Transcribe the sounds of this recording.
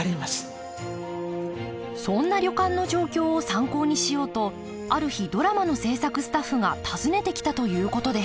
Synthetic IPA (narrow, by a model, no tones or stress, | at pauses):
ɾʲimasɨ̥ | sõ̞nːaɾʲo̞kãnːo̞ʑo̞ːkʲo̞ːsãŋko̞ːɲ̟iɕijo̞ːt̪o̞ | aɾɯ̟çid̪o̞ɾamano̞se̞ːsakɯ̟sɨ̥t̪aɸːɯ̟ɡat̪ʰazɨne̞t̪e̞kʲi̥t̪at̪o̞jɯ̟ːko̞t̪o̞d̪e̞